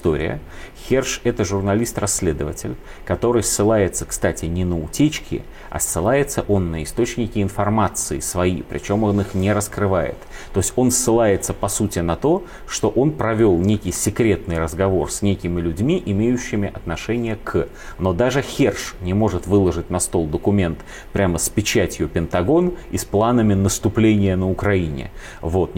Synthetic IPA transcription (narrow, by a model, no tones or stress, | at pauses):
st̪o̞̰ɾʲɪ̰jə̰xʲerʂɛt̪əʐʊrnɐlʲist̪rɐsʲːlʲe̞d̪əvətʲɪlʲ | kɐt̪o̞ɾɨjsːɨlˠajɪt̪sə̥kst̪atʲɪnʲɪnəʊtʲet͡ɕkʲɪ̰ | ɐ̰sːɨlˠajɪt̪səʔo̞nːəɪst̪o̞t͡ɕnʲɪkʲɪɪnfɐrmat̪sɨɪsvɐḭpɾʲʔɪ̰t͡ɕo̞mo̞nɨxnʲɪɾəskɾɨvajɪ̰t̪ː | osʲtʲo̞nsːɨlˠajɪt̪səpɐsutʲɪnɐt̪o̞ | ʂt̪o̞ʔo̞npɾɐvʲo̞lˠnʲekʲɪjsʲɪkɾʲe̞t̪nɨjrəzɡɐvo̞rsʲnʲekʲɪmʲɪlʲʉdʲmʲiʔɪmʲejʉɕːɪmʲɪʔɐt̪nɐʂɛnʲɪjəkʰ | no̞d̪aʐɨxʲerʂnʲɪmo̞ʐɨt̪vɨlˠəʐɨtʲnɐst̪o̞lˠd̪əkʊmʲe̞nt̪ | pɾʲaməspʲɪt͡ɕætʲjʊpʲɪnt̪ɐɡo̞nisplˠanəmʲɪnəst̪ʊplʲenʲɪjənəʊkɾɐinʲɪ̰ | vo̞t̪